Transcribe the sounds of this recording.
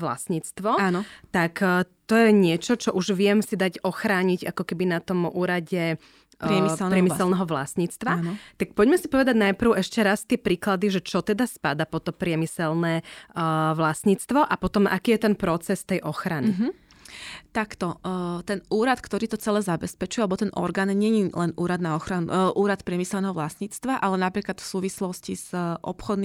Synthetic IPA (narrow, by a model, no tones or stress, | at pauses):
ʋla̰sɲiːt͡st̪ʋɔanɔt̪akt̪ɔjɛɲɪɛt͡ʃɔt͡ʃɔʔuʒʋɪɛmsid̪aɟɔxɾaːɲiɟa̰kɔkɛbinat̪ɔmʔuːɾaɟɛ | ɾɪɛmɛlɾɪɛmisɛlˠnɛɦɔʋla̰sɲiːt͡st̪ʋant̪ak̚pɔɟmɛsipɔʋɛd̪aɟnajpr̩ʊʔɛʃcɛɾast̪ɪɛpɾiːklad̪iʒɛt͡ʃɔt̪ɛd̪aspad̪apɔt̪ɔpɾɪɛmisɛlnɛː | ʋlasɲiːt͡st̪ʋɔʔapɔt̪ɔmʔa̰kiːjɛt̪ɛnpɾɔt͡sɛst̪ɛjʔɔxɾaniɦ | t̪akt̪ɔt̪ɛnuːɾat̪kt̪ɔɾiːt̪ɔt͡sɛlɛːzabɛspɛt͡ʃujalɛbɔt̪ɛnʔɔ̰ɾɡaːnɲɛɲilɛnʔuːɾad̪naɔxɾanṵʔuːɾat̪pɾɪɛmisɛlnɛɦɔʋlasɲiːt͡st̪ʋaʔalɛnapɾiːklat̪fsuːʋislɔsciz̥ʔɔ̰pxɔd̪n